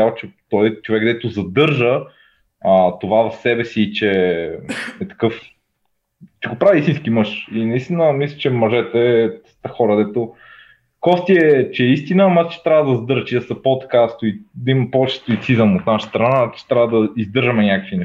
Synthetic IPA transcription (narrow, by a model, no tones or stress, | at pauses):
avot͡ʃɛt̪ɔjt͡ʃovɛɡd̪ɛt̪ʊzɐd̪ɤɾʒə | ət̪ovavɐfsɛbɛsiːt͡ʃɛ | ɛt̪ɐ̥kɤf | t͡ʃɛɡopɾaviist̪inskimɤʃinɐist̪inəmislʲi̥t͡ʃɛmɐʒɛt̪ɛɛ | t̪əxɔɾɐd̪ɛt̪o | kɔst̪iɛt͡ʃɛist̪inəmat̪t͡ʃɛ̥t̪ɾʲavɐd̪ɐzɐd̪ɤɾt͡ʃid̪ɐsɐpot̪kast̪oid̪ɐimɐpovɛt͡ʃɛ̥st̪oisizɐmot̪naʃə̥st̪ɾɐnat͡ʃɛ̥t̪ɾʲavəd̪ɐizd̪ɤɾʒɐmɛnʲakə̥kvʲinɛ